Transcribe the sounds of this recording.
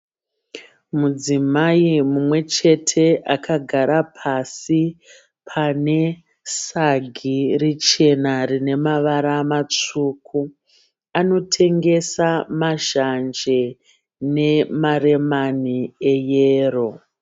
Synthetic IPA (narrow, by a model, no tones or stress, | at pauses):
mud͡zimaimumwe̞t͡ʃe̞tʰe̞ʔakʰaɡʱaɾapʰasi | pʰane̞ | saɡʱirit͡ʃe̞narine̞maʋaɾamat͡ʂuːkʰu | ano̞tʰe̞ŋɡe̞samaʒand͡ʒe | ne̞mare̞maniejeːro̞